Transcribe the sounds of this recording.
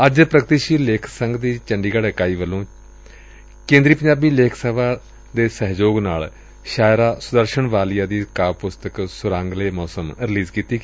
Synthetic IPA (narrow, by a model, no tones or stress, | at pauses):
əd͡ʒpɾəkt̪iːʃiːleːkʰsəŋɡd̪iːt͡ʃəɳɖiːɡaɽekaːiːʋəlːõː | kẽːnd̪ɾiːpəɲd͡ʒaːbiːleːkʰsəʋaː | d̪eːsəɦd͡ʒoːɡnaːl | ʃaːjɾaːsʊd̪əɾʃəɳʋaːlijãːd̪iːkaːʋpʊst̪əksʊɾãːŋɡleːmɔːsəmɾɪliːzkiːt̪iː